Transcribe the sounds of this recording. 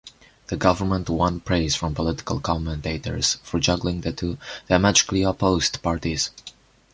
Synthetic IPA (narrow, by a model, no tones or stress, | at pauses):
ðəɡʌvə˞mə̃ntwʌ̃npʰɹeɪz̥fɹɔ̃mpɔlɪtɪ̥kə̰lˠkʰɑ̃mə̃nteɪtə̰˞z̥fɔɹd͡ʒʌɡlɪ̃ŋðɨtʰuðamæd͡ʒɪkliəpoʊz̥tpɑɹtiz̥